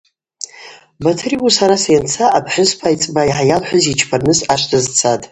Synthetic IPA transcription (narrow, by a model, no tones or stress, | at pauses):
batʰriusaɾasajant͡sʰaʔːpʰħʷʊzpʰajt͡sʼbaiħajalħʷᶣʊzit͡ʃʰpʰarnɨsaʃʷtʰazt͡sʰatʼ